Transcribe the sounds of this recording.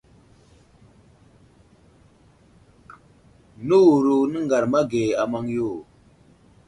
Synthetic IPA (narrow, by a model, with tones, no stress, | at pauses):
nə˦wu˨ɾu˨nə˦ŋɡa˨ɾma˦ɡe˨a˨ma˦ŋjo˦˨